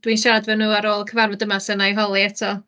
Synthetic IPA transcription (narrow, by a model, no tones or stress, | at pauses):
d̥winʃaɾadvɛnuːaɾoːlˠkʰəvarvɔdəmasənajɦɔlˠiɛtʰɔ